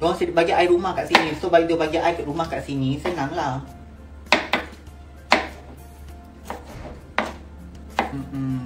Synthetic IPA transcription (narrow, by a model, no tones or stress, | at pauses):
ɡɔsibad͡ʒaʔajɾumakaʔsinisobajdbad͡ʒaʔajkiɾumakaʔsinisenaŋla